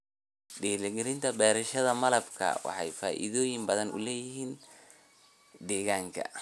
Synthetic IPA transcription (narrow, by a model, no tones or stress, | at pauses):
ɖɛːlɛɡɛlɪnt̪ʰɐbɛːɾɐʃɐðɐmɐlɐbkʰɐ̰wɑ̰ħɑjfa̰ːʔḭðɔːjɪmbɐðɐnʊ̰lɛːjɪɦiːn | d̪ɛːɣaːŋkʰɐ̰